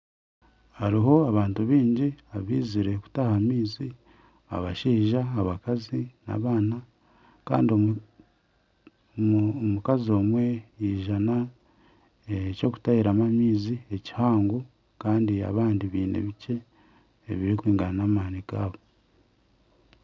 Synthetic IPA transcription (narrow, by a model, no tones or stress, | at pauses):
haɾiɦo̞aβaːntuβiːɲɟiaβiːziɾe̞ku̥tahamiːzi | a̰βaʃiːʒaːβakazina̰βaːna | ka̰ːndio | mukazo̞ːmwe̞iːʒana | eco̞ku̥taiɾamamiːzie̞ci̥haːŋɡu | kaːndia̰βaːndiβiːnḛβice̞ː | βiɾikwiːŋɡaanaːmanikaːβo